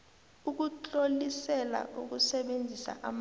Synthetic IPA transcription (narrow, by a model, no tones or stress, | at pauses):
uk̬ut͡ɬʼolisɛla̰ʔuk̬usɛɓend͡zʱisa̰ʔa̰m